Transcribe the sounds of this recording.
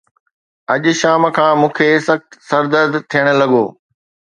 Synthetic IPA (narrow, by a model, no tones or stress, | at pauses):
ɐʄʃaːmkʰãːmũːkʰesɐxt̪sɐɾd̪əd̪t̪ʰijəɽ̃̆lɐɠo̰ː